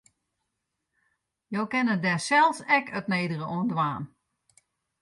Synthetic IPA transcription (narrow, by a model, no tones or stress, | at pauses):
jowkɪnədɛsɛlˠsɛkətneːdərəʔoəndwaːn